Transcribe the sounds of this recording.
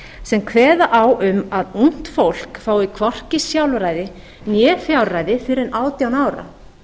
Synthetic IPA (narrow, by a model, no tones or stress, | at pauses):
sɛmkʰvɛːðaʔawʏmaðun̥t̪fowl̥kfaːwɪkʰvɔr̥cɪsjawlvɾaːjðɪ | njɛːfjawlraːjðɪfɪɾɪnʔaːwt̪jawnaːwɾa̰